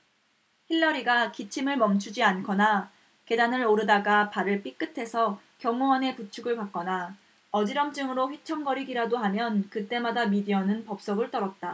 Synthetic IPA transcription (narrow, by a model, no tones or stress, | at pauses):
çiɭːʌɾiɡakit͡ɕʰimɯɭmʌmt͡ɕʰud͡ʑiankʰʌna | ke̞danɯɭoɾɯdaɡapaɾɯɭp͈ik͈ɯtʰe̞sʰʌ | kjʌŋuʌne̞put͡ɕʰuɡɯɭpak͈̚ʌna | ʌd͡ʑiɾʌmt͡ɕ͈ɯŋɯɾoɸɥit͡ɕʰʌŋɡʌɾiɡiɾadoɦamjʌnkɯt͈e̞madamidiʌnɯnpʌp̚s͈ʌɡɯɭt͈ʌɾʌt̚t͈a